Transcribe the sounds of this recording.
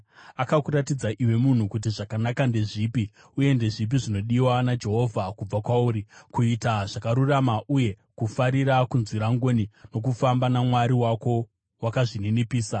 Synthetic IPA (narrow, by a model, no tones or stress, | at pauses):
akakuɾatid͡zaʔiwe̞mun̤ukut̬iʐakanakande̞ʐiːpi | uje̞nde̞ʐip̬iʐino̞ɗiwanad͡ʒe̞ɦo̞vʱakub͡vakwauːɾikuitaʐakaɾuramaʔuje̞ | kufaɾiɾakunziɾaŋɡonino̞k̬ufambanamwaɾiwako̞ | wakaʐininipiːsa